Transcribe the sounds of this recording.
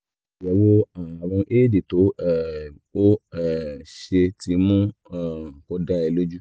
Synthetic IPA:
jɛ˧˦wo˦a˨˧ɾ̃ũ˧ʔe˦˨di˨to˨˦˨ | o˦ɛ˦˨ʃe˧ti˧˦mũ˦ã˦˨ko˧da˦ɛ˧lo˦d͡ʒu˦

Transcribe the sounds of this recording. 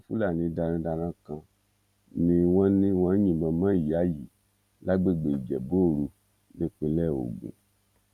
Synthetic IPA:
fu˦la˦˨nĩ˨˧da˧ɾã˧˦da˧ɾã˦kã˧ | nĩ˧wɔ̃˦nĩ˦wɔ̃˦ɲĩ˨bɔ˧mã˦i˨a˨˦ji˨ | la˦ɡ͡be˦˨ɡ͡be˨i˨d͡ʒɛ˨bo˦˨ɾu˧ | nĩ˦k͡pe˧lɛ˦˨o̰˨ɡṵ̃˨

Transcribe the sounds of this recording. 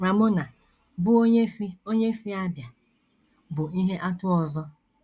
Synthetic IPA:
ɾa˨mʊ˦na˨ | bʊ˦o˦ɲe˦fi˦o˦ɲe˦fi˦a˦bja˨ | bʊ˨i˦ɦe˦ʔa˦tʊ˦ɔ˨zɔ˦

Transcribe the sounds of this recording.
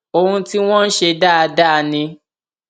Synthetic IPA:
o˧hũ˧ti˦w̃ɔ̃˦n̩˦ʃe˧da˦a˧da˦˧nĩ˧

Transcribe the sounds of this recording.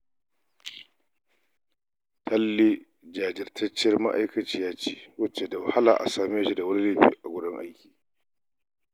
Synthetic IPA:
tʰɐ˦lːi˦ | d͡ʒaː˨d͡ʒɪ˨rtʰɐ˦t͡ʃːɐ˦rma̰˦ʔa˦jkɐ˨t͡ʃiː˦jaː˦t͡ʃiː˦wɐ˦t͡ʃe˨da˨wa˨ha˦laː˨ʔa̰˨saː˨meː˦ʃi˦da˨wɐ˦ni˦leː˦˨ɸḭː˦˨ʔa˨ɡʷʊ˦dʊ˦ŋʔa̰˦jkʲi̥ː˨

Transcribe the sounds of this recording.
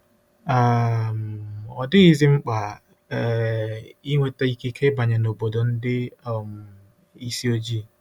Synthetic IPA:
a˦˨m̩˨ɔ˨dɪ˦ɣi˦zi˦ŋ͡m̩˦k͡pa˨ | i˦ŋʷe˦ta˦i˦ki˦kʰe˦ba˨ɲa˨no˨bo˨do˨n̩˦dɪ˦˨m̩˨ | i˦si˦o˦d͡ʒi˦˨

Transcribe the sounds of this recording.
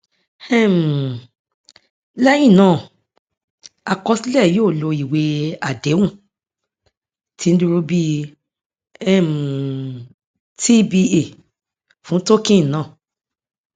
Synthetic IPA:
ɛ˦˨m˨ | lɛ˦jĩ˦˨nãː˦˨ | a˨kɔ˧si˦lɛ˦˨joː˦˨lo˧i˨we˧˦a˨de˨˦wũ˦˨ | ti˨˧n̩˦du˧ɾo˧bi˦ | ɛ˦˨m˨ | tʰi˦bi˧e˦˨ | fũ˨˦to˦kĩ˦˨nãː˦˨

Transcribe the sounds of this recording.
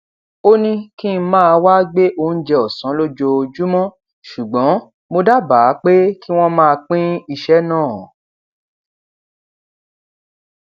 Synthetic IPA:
o˦nĩ˦ki˦n̩˦mãː˦˧wa˦ɡ͡be˦ʔo˧˨n̩˦d͡ʒɛ˧ɔ˨sã˨˦lo˦d͡ʒo˧d͡ʒu˦mɔ̃˦ | ʃu˨ɡ͡bɔ̃˨˦ | mo˧da˦ba˨˦k͡pe˦ki˦w̃ɔ̃˦mãː˦˧k͡pĩ˦i˧ʃɛ˦nãː˦˨

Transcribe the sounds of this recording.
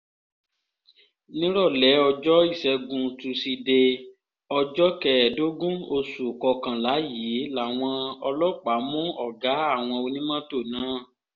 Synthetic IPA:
nĩ˦ɾɔ˦˨lɛ˨˦ɔ˧d͡ʒɔ˦i˦˨sɛ˧ɡũ˧tu˧si˧de˧ | ɔ˧d͡ʒɔ˦kɛ˧ɛ˨do˦ɡũ˦o˧su˨kɔ˧kã˨la˨˦ji˨˦la˨w̃ɔ̃˧ɔ˧lɔ˦k͡pa˨˦mũ˦ɔ˦˨ɡa˨˦a˦˨w̃ɔ̃˧o˧nĩ˦mã˦to˦˨nãː˨˦˨

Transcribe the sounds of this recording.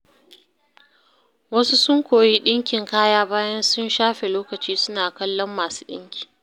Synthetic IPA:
wɐ˦su˦sʊ˦ŋkʷoː˨ji˦ɗɪ˦ŋkʲɪ˨ŋkaː˦jaː˦baː˦jɐ˦nsʊ˦nʃaː˦ɸe˨loː˦kɐ˨t͡ʃiː˦sʊ˦naː˨kɐ˦lːɔ˦mːaː˨su̥˦ɗɪ̰˦ŋkʲi̥ː˨

